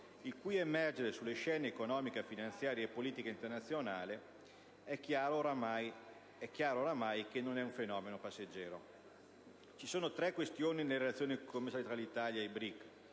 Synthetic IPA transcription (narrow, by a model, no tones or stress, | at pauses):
ilkujemɛrd͡ʒeɾesulːeʃɛːneːkonɔːmikefinant̪sjaːɾjeepːoliːt̪ikaint̪ernat̪sːjonaːle | ɛkːjaːɾooɾamaj | ɛkːjaːɾooːɾamajkenːonɛuɱfenɔːmenopasːed͡ʒːɛːɾo̰ | t͡ʃisoːnot̪ɾɛkːwest̪joːninelːeɾelat̪sːjoːnikʰomːesalet̪ɾalit̪aːljaebɾikː